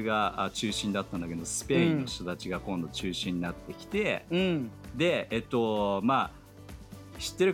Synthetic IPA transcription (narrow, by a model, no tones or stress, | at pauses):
ɡaat͡ɕɨːɕĩnd̪at̪ːãnd̪aked̪osɨ̥pe̞ĩnːoçi̥t̪o̞t̪at͡ɕiɡakõ̞nd̪o̞t͡ɕɨːɕĩɲ̟ːinat̪ːe̞kʲi̥t̪e̞ | d̪e̞et̪ːo̞ma | ɕi̥t̪ːe̞ɾɯ̟